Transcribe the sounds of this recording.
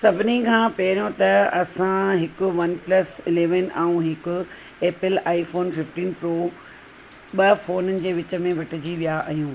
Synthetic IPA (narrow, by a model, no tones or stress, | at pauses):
sɐbʱɪnikʰãːpɐɦɪɾjõt̪ɐɐsãɦɪkʊ̆ʋɐnplɐsɪleːʋənʔaːũɦɪkʊ | eːpɪlaːifoːnfɪfʈiːnpɾoː | ɓɐfoːnənɪ̆d͡ʑeːʋɪt͡ɕə̆mẽʋɐʈʰɪd͡ʑiʋijaʔɐɦjũː